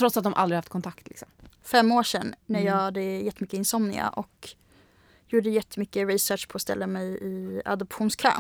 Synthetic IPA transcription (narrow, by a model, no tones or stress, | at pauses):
t̪ʰɾɔt̪ːsat̪d̪ɔmʔa̰ld̪ɾɪhaft̪kʰɔnt̪ʰakt̪ʰlɪ̰ksɔmfɛmːoːʂɛnːæjɑːhad̪əjɛt̪ːəmʏkːəɪnsɔmnɪ̰a̰ʔɔk | juːɖəjɛt̪ʰːəmʏkːəɾɪsœːʂpʰɔːst̪ɛ̰lːamɛjɪa̰d̪ɔpɧuːnskʰɾɑ̰ː